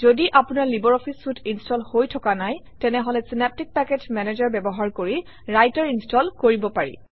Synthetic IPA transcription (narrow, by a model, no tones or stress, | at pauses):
zodiʔapunaɹlibɔɹɔpʰisutʰinstɔlhojtʰɔkanaj | tɛnɛɦɔlɛsinap̚tik̚pɛketmɛnezaɹbɛbɔɦaɹkoɹi | ɹajtaɹinstɔlkoɹibɔpaɹḭ